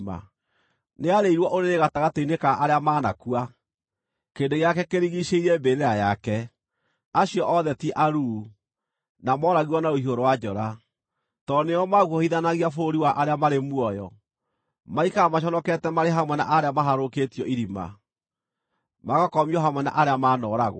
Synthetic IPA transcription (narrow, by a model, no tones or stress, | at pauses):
ma̰ | neaɾeiɾwɔʔoɾeɾeɣataɣateinekaʔaɾeamaːnakua | keːndoɣejakɛkeɾiɣiɕeiɾɛmbeɾeɾajakɛ | aɕiɔʔɔðɛtiʔaɾu | namɔɾaɣiwɔnaoiɦoɾowad͡ʒɔɾa | tɔneɔmaɣuɔhiðanaɣiafoɾiwaʔaɾeamaɾemwɔjɔ̰ | maikaamaɕ̬ɔnɔkɛtɛmaɾeɦamwɛna̰ʔaɾeamaɦaɾoketjɔiɾima̰ | maɣakɔmiɔɦamwɛna̰ʔaɾeamaːnɔɾaɣw̰